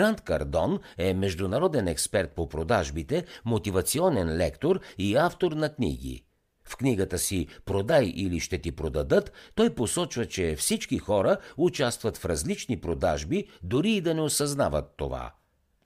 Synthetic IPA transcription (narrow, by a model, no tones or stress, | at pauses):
ɾant̪kɐ̰ɾd̪ɔnɛmɛʒd̪ʊnɐɾɔd̪ɛnɛkspɛɾt̪̚popɾod̪aʒbit̪ɛmot̪ivɐt̪siɔnɛnlɛkt̪oɾiaft̪oɾnɐknḭɡ̟ḭ | fkniɡət̪əsipɾod̪ajʔiliʃt̪ɛt̪ipɾod̪ɐd̪ɤt̪ːɔjposɔt͡ʃvət͡ʃɛfsit͡ʃkixɔɾəut͡ʃast̪vət̪fɾɐzlit͡ʃnipɾod̪a̰ʒbid̪ʊɾiːd̪ɐnɛosɐzna̰vət̪ːo̰va̰